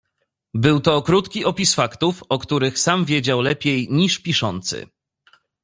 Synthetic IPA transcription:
bɘwt̪ɔkɾut̪kʲiʔɔpʲisfakt̪ufɔkt̪uɾɘxsamvʲjed͡ʑawlɛpʲjejɲiʂpʲiʂɔ̰nt̪sɘ̰

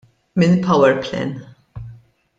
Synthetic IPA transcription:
mɪnpʰɐwɛɾplɛ̰n

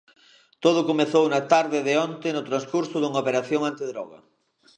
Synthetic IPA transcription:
t̪oð̞ʊkomeθownɐt̪aɾðɪðɪɔnt̪ɪnʊt̪ɾanskuɾsʊðuŋɐaopeɾaθjoŋant̪ɪðɾɔɣɐ̰

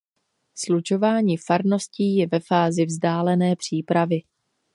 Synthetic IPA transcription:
slut͡ʃo̞vaːɲiːfaɾno̞sciːjɛvɛfaːzɪvzdaːlɛnɛːpr̝̥iːpɾavɪ

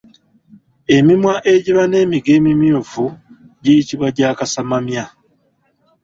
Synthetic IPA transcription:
e̞mimwaʔe̞ɟiβane̞ːmiɡe̞ːmimjovu | ɟijitiβwaɟaːkasamamja

